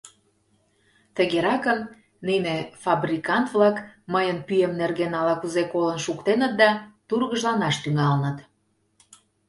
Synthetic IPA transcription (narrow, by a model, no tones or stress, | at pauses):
t̪əɣeɾɑkəm | ninefɑbrʲikɑnt̪vlɑkməjənpyjemnerɣenɑlɑkuzekolənʃukt̪enət̪̚d̪ɑt̪urɣəʒlɑnɑʃt̪yŋɑlənət̪